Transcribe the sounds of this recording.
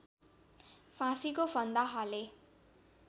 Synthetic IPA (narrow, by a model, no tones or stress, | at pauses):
fʰãsikobʱʌnd̪aɦʌle